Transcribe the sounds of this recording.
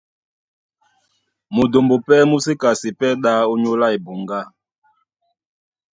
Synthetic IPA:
mo˨do˨mbo˨pɛ˦mu˦si˦ka˨si˨pɛ˦ɗa˦o˦ɲo˦la˦e˨bu˨ŋɡa˦

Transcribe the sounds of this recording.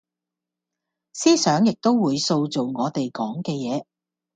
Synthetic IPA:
siː˥sœː˨˥ŋjɪ˨k̚t̪o˥wwuː˨˧jso˧wt͡so˨wŋɔː˨˧t̪e˨jkɔː˨˥ŋkɛː˧jɛː˨˧

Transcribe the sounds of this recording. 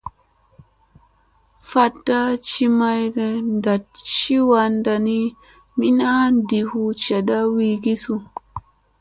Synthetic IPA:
fa˧˨da˦t͡ʃi˦ma˦jɡɛ˨nda˨t̚t͡ʃi˦wa˨nda˨ni˦ | mi˦na˦ndi˨hu˦t͡ʃa˨ɗa˦wi˦ɡi˦su˦

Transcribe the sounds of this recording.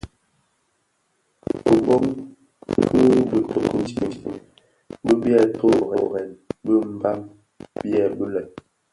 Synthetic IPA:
ə˨bɔ˦m | kʰə˦bə˨tʰo˨ku˦ti˦˨ | bə˦bjɛ˦˨to˦˨ɣɛ˨ɣɛ˨nbə˦m̩˦ba˦m | bjɛ˦˨bə˦lɛ˨

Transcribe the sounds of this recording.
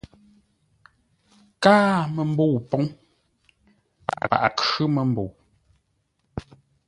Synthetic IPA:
kaː˦mə˨m̩˦bo˦˨wpɔ˦ŋ | pa̰˨ʔa˨a̰˨ʔa˨kʉ˦mə˨m˦bo˨w

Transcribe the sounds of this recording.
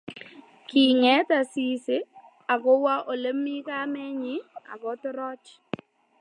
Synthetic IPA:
ki˨ŋɛ˨˦ta˨si˦se˨˦ | a˨kɔ˦wa˦ʔo˨le˦mːi˦ka˦mɛ˦ɲɪ˦a̰˨kɔ˨˦tɾɔ˦t͡ʃ

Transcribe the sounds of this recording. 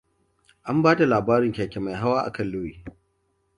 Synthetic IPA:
ʔa˦mbaː˦da˨laː˨baː˦ɾɪ˨ŋkʲaː˨kʲe˨ma˨jɦa˦waː˦ʔa̰˨kɐ˦˨lːu˦jiː˨

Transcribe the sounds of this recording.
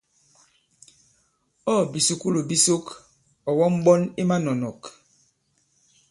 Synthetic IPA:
ɔ˦˨bi˨su˦ku˦lo˨bi˦so˦k | ɔ˨wɔ˦m̩˦ɓɔ˦ni˦ma˦nɔ˨nɔ˨k

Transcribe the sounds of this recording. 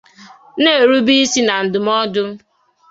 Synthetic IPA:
ne˦˨ɾu˦bi˦si˦na˨n̩˨dʊ˨m˦ɔ˦dʊ˦

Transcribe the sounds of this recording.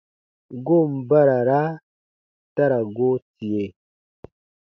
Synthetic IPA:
ɡo˦˨m̩˨ba˦ɾa˨ɾa˦ | ta˦ɾa˨ɡo˦ti˨je˨

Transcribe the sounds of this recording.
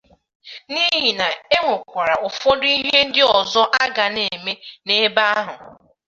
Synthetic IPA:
ni˦ɦi˨na˨e˦ŋʷo˨kʷa˨ɾa˨o˨fɔ˦dʊ˦i˦ɦe˦n̩˦dɪ˦ɔ˨zɔ˦ʔa˦ɡa˨ne˨me˦ne˦ba˦a˦ɦʊ˨

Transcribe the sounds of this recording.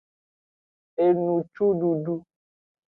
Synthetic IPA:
e˨nũ˨t͡ʃu˦ɖu˨ɖu˦

